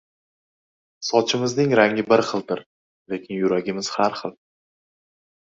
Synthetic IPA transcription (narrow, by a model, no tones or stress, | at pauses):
sɒt͡ʃʰɪmɪznɪŋɾaŋʲɪbɪɾχɨlˠd̪ɪɾ | le̞kʲʰɪnjʊɾaɡʲɪmɪz̥haɾχɨlˠ